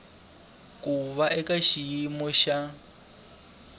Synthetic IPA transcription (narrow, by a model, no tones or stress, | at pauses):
kuβaʔɛkaʃiimɔʃa